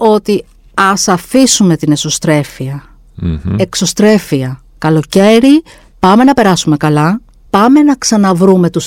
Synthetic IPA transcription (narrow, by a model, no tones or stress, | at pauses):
o̞t̪i | ɐsɐfisume̞t̪ine̞so̞st̪ɾe̞fiɐ | e̞kso̞st̪ɾe̞fiɐ | kɐlo̞ce̞ɾi | pɐme̞nɐpe̞ɾɐsume̞kɐlɐ | pɐme̞nɐksɐnɐvɾume̞t̪us